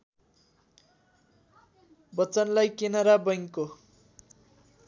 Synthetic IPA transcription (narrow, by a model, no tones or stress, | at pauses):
bʌt͡sʌnlajkenʌɾabʌjŋko